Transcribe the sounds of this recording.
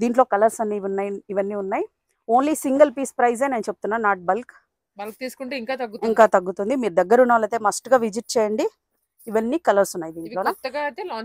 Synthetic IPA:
d̪iːɳʈ̬lo̞ːkɐlɐɾsɐnːiʋunːajiʋɐnːiːunːaːji | o̞ːnlisiŋɡɐlpiːspɾɐjz̬eːneːnɐt͡ʃeb̚u̥t̪unːaːnaːʈ̚bɐlk | bɐlk̚t̪iːsu̥kuɳʈeiŋkaːt̪ɐɡːut̪iŋkaːt̪ɐɡːut̪und̪imiːɾud̪ɐɡːɐɾunːɐʋaːlɐt̪eːmɐsʈɡaːʋid͡ʒiʈ̚t͡ʃɛːjɐɳɖi | iʋɐnːiːkɐlɐɾsunːaːjid̪iːɳʈloːnt̪ːɐɡat̪e

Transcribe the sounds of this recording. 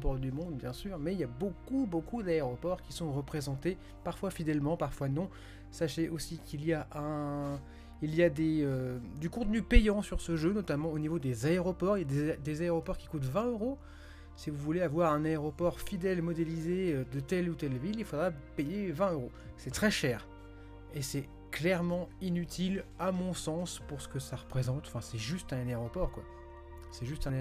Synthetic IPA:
pɔʁd̪ymɔ̃d̪bjɛ̃syːʁmɛiljabokubokud̪aeʁɔpɔʁkʲi̥sɔ̃ʁəpχezɑ̃t̪e | paʁfwafid̪ɛlmɑ̃paʁfwanɔ̃ | saʃeʔosikilijaʔɛ̃ | iliad̪eød̪ykɔ̃t̪nypejɑ̃syʁsəʒønɔt̪amɑ̃onivod̪ezaeʁɔpɔʁiljad̪ed̪ezaeʁɔpɔʁkʲi̥kut̪vɛ̃øʁo | sivuvuleavwaʁɛ̃naeʁɔpɔʁfid̪ɛlmɔd̪elizeød̪ət̪ɛlut̪ɛlvililfod̪ʁapejevɛ̃øʁo | sɛt̪χɛʃɛːʁ | esɛ | klɛʁmɑ̃inyt̪ʰilamɔ̃sɑ̃spuʁsə̥kəsaʁəpχezɑ̃t̪ɑ̃fɛ̃sɛʒyst̪ɛ̃naeʁɔpɔʁkwa | sɛʒyst̪ɛ̃

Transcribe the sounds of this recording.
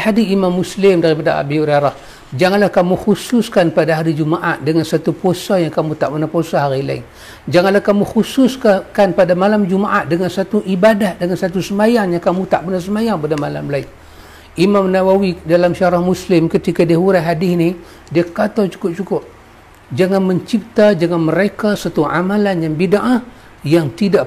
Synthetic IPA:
hadiimamːuslɪmdaɾipadaa̰biuɾaɾah | d͡ʒaŋanlahkamuxusʊskanpadaɦaɾid͡ʒumaʔat̪̚dəŋansat̪uposajaŋkamut̪aʔpənahposaɦaɾila̰ɪ̰ŋ | d͡ʒaŋanlahkamuxusʊskakanpadamalamd͡ʒumaʔat̪̚dəŋansat̪uʔibadahdəŋansat̪̬usəmajaŋjaŋkamut̪aʔpənasəmajaŋpadamala̰mlaɪŋ | imamnawawidalamʃaɾahmuslɪmkət̪ikadiəuɾaɦadɪsni | diakat̪at͡ʃu̥kʊp̚t͡ʃukʊp̚ | d͡ʒaŋanməɲt͡ʃip̚t̪ad͡ʒaŋanməɾekasat̪ua̰malanjaŋbidaʔa | jaŋt̪ida

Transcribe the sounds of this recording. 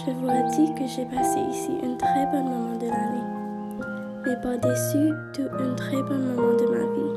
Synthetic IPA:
ʒəvulad̪ikəʒɛpaseʔisiʔɛ̃t̪χɛbɔ̃mɔmɑ̃d̪əlane | epaʁd̪əsyd̪əʔɛ̃t̪χɛbɔ̃mɔmɑ̃d̪əma̰vi

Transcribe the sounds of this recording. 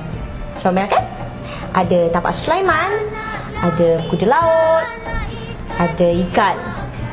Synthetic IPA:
t͡ʃawmɛlakan | ʔadət̪apa̰ʔsu̥lajman | adəkudəlaot̪̚ | adaikat̪̚

